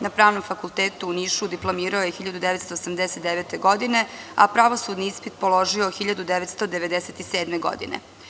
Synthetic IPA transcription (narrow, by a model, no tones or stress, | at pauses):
napɾaːʋno̞mfakulˠt̪eːt̪uːniːʃud̪iplˠomiːɾaojexiʎad̪ud̪eʋet̪st̪oːsamd̪eset̪d̪eʋet̪eɡo̞d̪ine̞apɾaʋosud̪niispit̪po̞lo̞ʒioxiʎad̪ud̪eʋet̪st̪o̞d̪eʋed̪eset̪iseːd̪meɡo̰d̪ḭnḛ